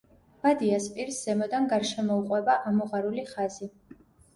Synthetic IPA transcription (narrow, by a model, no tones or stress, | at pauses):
b̥ad̪iaspʼiɾsz̥ɛmɔd̪anɡaɾʃɛmɔuqʼwɛbaʔamɔʁaɾuliχazi